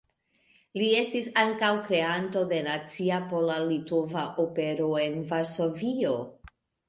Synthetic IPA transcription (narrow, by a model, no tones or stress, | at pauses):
lie̞stisaŋkawkɾe̞anto̞de̞nat͡siapo̞lalitovaʔope̞ɾo̞e̞nvaɾso̞vio̞